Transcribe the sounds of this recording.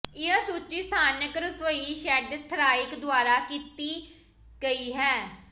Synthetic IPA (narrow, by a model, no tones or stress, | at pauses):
ɪaːsuːt͡ʃiːst̪ʰaːnəkɾəsʋəiːʃɛːɖt̪ʰɾaːɪkd̪ʊaːɾaːkiːt̪iː | ɡəiːɦɛː